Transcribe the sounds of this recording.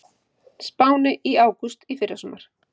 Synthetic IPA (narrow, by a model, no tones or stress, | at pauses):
spaːwnɪʔiaːwkust̪ifɪɾðasɔːmaɾ̥